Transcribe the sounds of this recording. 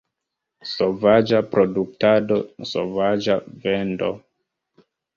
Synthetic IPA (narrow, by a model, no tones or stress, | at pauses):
sovad͡ʒapɾoduk̚tado̞so̰vad͡ʒavendo̰